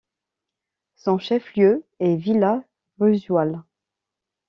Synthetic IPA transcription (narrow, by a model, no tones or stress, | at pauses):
sɔ̃ʃɛfljøɛvila | ʁyzwal